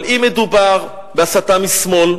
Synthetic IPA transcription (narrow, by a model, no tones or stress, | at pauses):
limed̪ubaʁ | beasat̪amismo̞l